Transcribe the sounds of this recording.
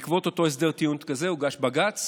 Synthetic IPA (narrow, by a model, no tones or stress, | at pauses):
kvo̞t̪ot̪o̞es̬d̪e̞ʁt̪iunkazeuɡaʃbaɡat͡s